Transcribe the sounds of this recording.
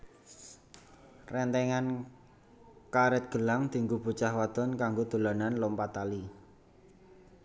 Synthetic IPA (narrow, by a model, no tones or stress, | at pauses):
rɛnt̪ɛŋan | kaɾɛt̪̚ɡ̥ə̤laŋd̪̥i̤ŋɡub̥ṳt͡ʃahwad̪̥ɔnkaŋɡod̪̥o̤lananlɔmpat̪ali